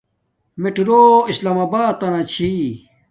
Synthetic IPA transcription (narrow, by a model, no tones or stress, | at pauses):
meʈɾoːislaːmaːbaːt̪ːɐnat͡ɕʰi